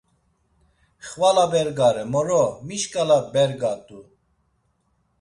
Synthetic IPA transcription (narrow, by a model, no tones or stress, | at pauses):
χvalabɛɾɡaɾɛmɔɾɔmiʃkʼalabɛɾɡat̪ʼu